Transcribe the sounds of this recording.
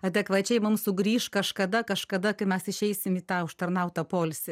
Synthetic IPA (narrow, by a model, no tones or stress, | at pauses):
ɐd̪ʲɛkʋɐt͡ʃʲɛɪmʊmsʊɡɾʲiːʃkɐʃkɐd̪ɐkɐʃkɐd̪ɐkɐɪmʲɛsɪʃʲɛɪsʲɪmiːt̪ɑːʊʃt̪ɐrnɐʊt̪ɐpoːlʲsʲɪ